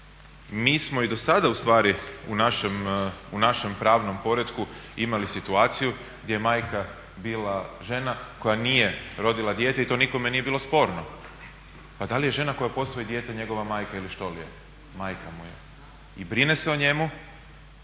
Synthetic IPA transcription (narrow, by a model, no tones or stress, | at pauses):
miːsmo̞id̪o̞sad̪aust̪ʋaːɾiunaʃemunaʃe̞mpɾaːʋno̞mpo̞ɾed̪kuimalisit̪uaːt̪siju | ɡd̪jejemaːjka | biːlaʒe̞nako̞janiːje̞ɾo̞d̪ilˠad̪je̞ːt̪eit̪o̞ːniko̞me̞nije̞biːlˠo̞spo̞ːɾno | pad̪alije̞ʒe̞nako̞japo̞sʋojid̪je̞ːt̪eɲe̞ɡo̞ʋamaːjkailiʃt̪o̞lḭjḛ | maːjkamujḛ | ibɾine̞seoɲe̞mu